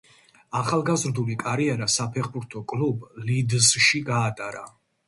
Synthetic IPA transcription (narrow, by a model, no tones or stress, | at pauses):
aχalˠɡazɾd̪ulikʼaɾiɛɾasapʰɛχbuɾt̪ʰɔkʼlublid̪zʃiɡaːt̪ʼaɾa̰